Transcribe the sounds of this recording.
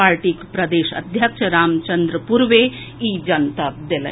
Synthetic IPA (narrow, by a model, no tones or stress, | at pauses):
aːɾʈikpɾɐd̪eːʃɐ̰d̪ʱjɐkʃəɾaːmt͡ʃɐnd̪ɾəpuɾʋe | iːd͡ʒɐnt̪ad̪elḛ̃